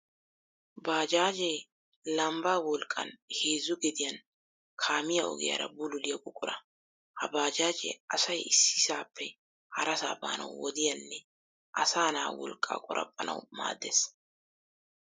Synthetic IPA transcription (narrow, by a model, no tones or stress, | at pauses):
baːd͡ʒaːd͡ʒɛ | lɐmbaːwɔlkʼːɐ̰nheːzːʊɡɛd̪ɪjɐn | kʰaːmɪjɐɔ̰ɡɛ̰jɐ̰ɾɐbʊlʊlɪjɐkʼʊkʼːʊɾɐ | hɐbaːd͡ʒaːd͡ʒɛ̰ɐsɐjɪsːɪsaːpʰːɛ | hɐɾɐsa̰ːba̰ːnɐ̰wwɔd̪ɪjɐnːɛ | ʔɐsaːna̰ːwɔlkʼa̰ːkʼʊɾʔɐ̰pʼːɐnʔɐ̰wma̰ːd̪ːeːs